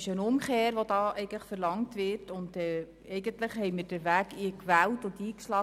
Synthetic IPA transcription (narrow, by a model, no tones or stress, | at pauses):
ɪʃənʊmkeːɾʋodɑːʔɛɪɡəntlə̥χfəɾlɑŋtʋɪɾtʊndɛː | ɛɪɡəntləχhɛɪməɾd̥əʋæːɡikʋæːltʊndiːkʃlɑː